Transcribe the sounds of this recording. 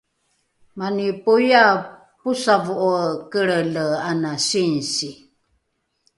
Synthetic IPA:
manipuja | pusavuʔokəɭələanasinsi

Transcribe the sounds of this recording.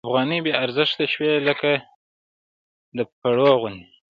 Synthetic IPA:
afɣɑnibeaɾzəʃt̪aʃweləka | d̪əpaɽoɣʊni

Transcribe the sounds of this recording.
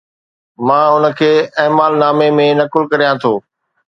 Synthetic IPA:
mãːʊnə̆kʰeːeːmaːlnaːmemẽnɐkɪlkɐɾijãt̪ʰoː

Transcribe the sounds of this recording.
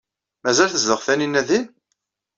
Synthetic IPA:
mæzælθəzðəʁθæninːæðin

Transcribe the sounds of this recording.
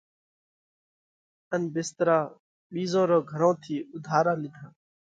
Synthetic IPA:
ənbɪst̪ɾaː | ɓiːzõːɾoːɡʱəɾõːt̪ʰiːʊd̪ʱaːɾãːlɪd̪ʱãː

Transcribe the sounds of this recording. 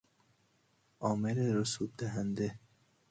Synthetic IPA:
ʔɒːmeɾeɾosub̚d̪æɦænd̪e

